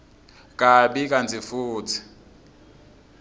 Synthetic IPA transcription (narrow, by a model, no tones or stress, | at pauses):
kʼaɓikʼand͡zʱifuːt͡sʰi̥